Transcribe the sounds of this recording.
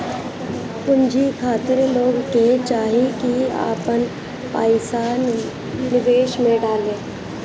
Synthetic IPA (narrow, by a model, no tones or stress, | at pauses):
ʊnd͡ʒikʰaːt̪ɪɾloːɡket͡ʃaːɦikia̰ːpən | paːɪsa | nɪʋeːʃmẽɖaːlẽː